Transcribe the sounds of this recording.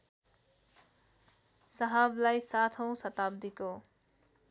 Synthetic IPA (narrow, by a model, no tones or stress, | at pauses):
sʌɦablajsat̪ʰʌ̃w̃sʌt̪ab̚d̪iko